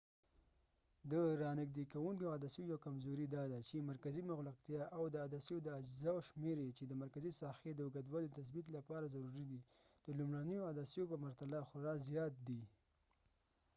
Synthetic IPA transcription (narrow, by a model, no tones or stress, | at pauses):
d̪əɾɑnɪɡd̪ekawuŋkoad̪asjojawkamzoɾid̪ɑd̪at͡ʃemaɾkazimʊɣlaqt̪jɑʔawd̪əad̪asijod̪əad͡ʒzawʃmeɾet͡ʃed̪əmaɾkazisɑxed̪əʊɡad̪wɑlit̪as̬bit̪̬lapɑɾazaɾuɾid̪i | d̪̥əlumɽanəjoad̪asijopəmaɾt̪alaxʊɾɑzjɑt̪̚d̪i